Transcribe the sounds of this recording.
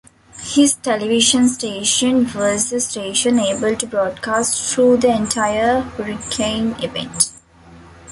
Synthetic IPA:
hɪzʈeliʋiʃə̃nsʈeːʃə̃nʋɔzd̪əsʈeːʃə̃neːbəlʈubɾɔːɖkaːsʈt̪ʰɾuːd̪iẽnʈʰaɪəɾɾikʰẽɪ̃niʋḛ̃nʈ

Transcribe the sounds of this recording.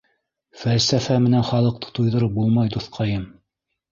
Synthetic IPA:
fælsæfæmɘ̆nænχɑlˠɤ̆q̚t̪ʰɤ̥t̪ujðɤ̆ɾɤp̚bulˠmɑjd̪uθqʰɑjɤm

